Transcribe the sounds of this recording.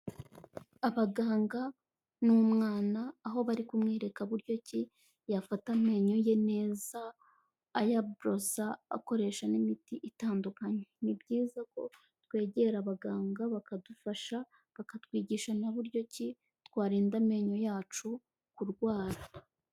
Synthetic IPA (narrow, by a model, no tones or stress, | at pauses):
aβaɡaːŋɡa | nuːmŋaːnaːɦo̞βaɾikumŋeːɾe̞kaβuɾjo̞ci | jafatame̞ːɲo̞je̞ne̞ːzaː | jabɾo̞saa̰ko̞ɾe̞ːʃanimitiʔitaːndukaɲe̞nibɟiːzako̞̰ | twe̞ːɟe̞ɾaβaɡaːŋɡaβakadufaʃa | βakatwiːɟiʃanaβuɾɟo̞ci | tkwaːɾeːndame̞ːɲo̞jaːt͡ʃu | kuɾɡwaːɾa